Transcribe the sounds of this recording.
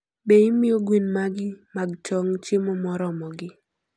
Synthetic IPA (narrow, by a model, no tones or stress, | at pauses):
beimɪoɡwinmaɡɪmaɡt͡ʃɔŋt͡ʃemɔmɔɾɔmɔɡɪ